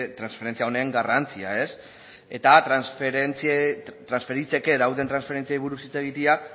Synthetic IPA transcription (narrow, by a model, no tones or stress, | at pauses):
t̪ɾansfe̞ɾe̞nt͡siao̞neŋɡarant͡siae̞s | e̞t̪at̪ɾansfeɾent͡st̪ɾansfe̞ɾit͡se̞ke̞ðawt̪e̞nt̪ɾansfeɾe̞nt͡siaijβuɾusit͡se̞ɣ̞it̪ia